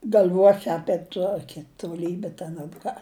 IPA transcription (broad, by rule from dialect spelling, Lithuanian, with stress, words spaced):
ɡɐlʲˈʋuɔsʲɪ ˈɑːpʲiɛ ˈtuɔkʲɪ toːˈlʲiːbʲɪ tʲɛn ɐr ˈkɑː